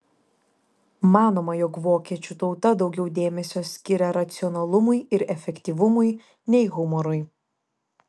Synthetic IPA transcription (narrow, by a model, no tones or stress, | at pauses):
mɑːnoːmɐjoːkʋoːkʲiɛt͡ʃʲʊt̪ɐʊt̪ɐd̪ɒʊɡʲɛʊd̪ʲeːmʲɛsʲoːsʲkʲɪɾʲɛɾɐt̪sʲɪɔnɐlˠʊmʊɪɪɾɛfʲɛkʲt̪ʲiːʋʊmʊɪ | nʲɛɪɣʊmɔɾʊɪ